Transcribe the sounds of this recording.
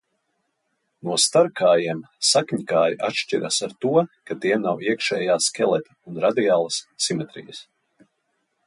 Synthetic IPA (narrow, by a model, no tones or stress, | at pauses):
nuɔst̪aɾkaːjiɛm | sakɲikaːjiʔatʃt͡ʃiɾa̰saɾt̪uɔkat̪iɛmnawiɛkʃɛːjaːskʲɛlˠɛt̪ʲi̥unɾad̪iaːlˠəssimɛt̪ɾḭjəs